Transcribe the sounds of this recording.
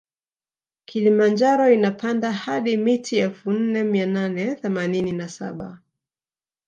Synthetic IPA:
kʰilimand͡ʒaɾɔinapʰandahaɗimitʰiɛlfun̩nɛmiananɛθɛmanininasa̰ɓa

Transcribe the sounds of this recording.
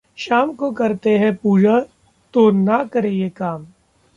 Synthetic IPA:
ʃaːmkokɐɾt̪eɦɛ̃puːd͡ʒa | t̪onakɐɾejekaːm

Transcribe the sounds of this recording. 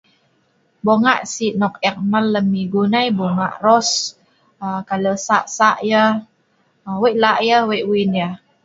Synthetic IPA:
boŋaʔsiʔnɔk̚ɛk̚məlːəmihɡunajboŋa̰ʔrɔs | əkaləsaʔsaʔjə | əweʔlaʔjəweʔwinjə

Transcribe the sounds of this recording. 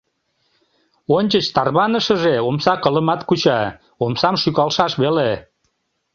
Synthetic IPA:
onʲt͡ɕət͡ɕt̪ɑrβɑnəʃəʒeomsɑkələmɑt̪kut͡ɕɑ | omsɑmʃykɑlʃɑʃβele

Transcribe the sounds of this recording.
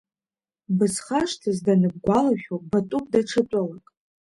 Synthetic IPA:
bɨsχaʂtʰɨzdanɨb̚ɡʷalaχʲᶣobatʼup̚ʼdaʈ͡ʂʰɨt͡sʼalakʼ

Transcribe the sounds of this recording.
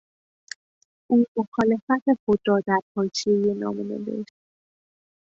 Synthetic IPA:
ʔuːmoxɒːle̞fæt̪ʰe̞xod̪ɾɒːd̪æɾpʰɒːjt͡ʃʰejenɒ̰ːmunḛb̪ḛʃ

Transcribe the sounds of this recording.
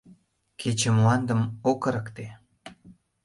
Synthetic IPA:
kʰet͡ɕemuɑnd̪ə̆mokəɾəkt̪e

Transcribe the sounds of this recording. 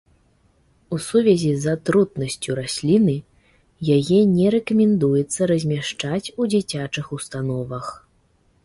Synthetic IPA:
usuvʲɛzʲizɐt̪ɾut̪̚nɐsʲt͡sʲuɾasʲlʲinɨ | jajɛnʲɛɾɛkɐmʲɛnd̪ujɛt̪sːɐɾɐzʲmʲaʂt͡ʂat͡sʲud͡zʲit͡sʲat͡ʂɨxust̪an̪ɔvɐx

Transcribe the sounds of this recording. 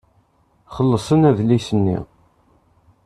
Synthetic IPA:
χəlːəsˤənæðlisənːḭ

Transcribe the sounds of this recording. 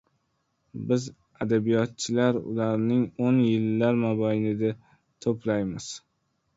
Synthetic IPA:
bɪz | ad̪abijɒt̪̚t͡ʃʰɪlaɾʊ̰laɾnɪŋonjɪlːaɾmabajnɪd̪a | t̪ʰopʰlajmɪz̥

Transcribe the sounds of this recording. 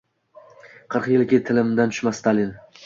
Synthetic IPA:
qʰɨɾqjɪlkʲɪt̪ʰɪlɪmd̪ant̪ʰʊ̥ʃmast̪ʰalɪn

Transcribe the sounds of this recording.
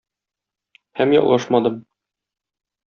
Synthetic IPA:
hæmjɒ̰lˠɑʃmɑd̪ɤm

